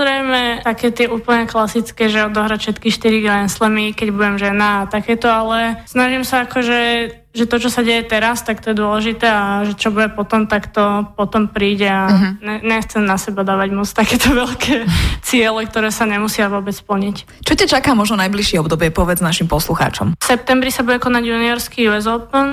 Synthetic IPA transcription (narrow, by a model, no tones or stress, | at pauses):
zɾɛɪmɛt̪akɛːt̪ɪɛʔuːpl̩ɲɛklasit͡skɛːʒɛɔd̪ɔɦɾacʃɛt̪kixʃt̪iɾiɡɛnslɛmikɛɟbuɟɛmʒɛnaːt̪akɛːt̪ɔalɛsnaʒimsaakɔʒɛ | ʒɛt̪ɔt͡ʃɔsaɟɛjɛt̪ɛɾast̪ak̚t̪ɔjɛd̪ʊɔlɛʒit̪ɛːaʒɛt͡ʃɔbuɟɛpɔt̪ɔmt̪akt̪ɔpɔt̪ɔmpɾiːɟɛaɛɲɛxt͡sɛmnasɛbad̪aːʋaɟmɔt͡st̪akɛːt̪ɔʋɛlkʰɛːt͡sɪɛlɛk̚t̪ɔɾɛːsaɲɛmusɪaʋʊɔbɛt͡spl̩ɲic | t͡ʃɔcat͡ʃakaːmɔʒnɔnajbliʃɪɛɔbd̪ɔbɪɛpɔʋɛd͡znaʃimpɔsluxa̰ːt͡ʃɔ̰msɛp̚t̪ɛmbɾisabuɟɛkɔnaɟjuniɔɾskijuɛzɔpn